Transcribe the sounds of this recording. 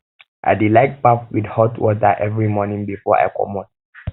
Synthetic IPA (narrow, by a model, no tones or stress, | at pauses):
ʔa̰ɪdilaɪk̚pafwidhɔtwɔtaʔɛvɹimɔnĩŋbifɔa̰jkɔ̰mɔt̚